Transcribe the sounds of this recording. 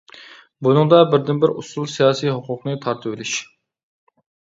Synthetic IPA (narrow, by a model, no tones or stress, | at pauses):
bunɨŋd̪ɑbɪɾd̪ɪnbɪɾṵsulˠsijɑːsijɦʊqʰʊqnɨt̪ʰɑɾt̪ʰɨvɪlɪʃ